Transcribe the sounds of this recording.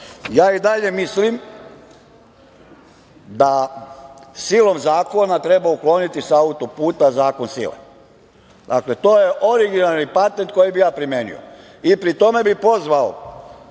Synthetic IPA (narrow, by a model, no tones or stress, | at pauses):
jaːid̪aʎe̞mislim | d̪a | silˠo̞mzaːko̞nat̪ɾe̞bauklo̞nit̪isaut̪opuːt̪azaːko̞nsḭlḛ | d̪a̰kle̞t̪oːjeʔoɾiɡinalˠnipat̪ent̪̚ko̞jibijaːpɾimjenḭo̰ | ipɾit̪o̞me̞bipo̞zʋao̰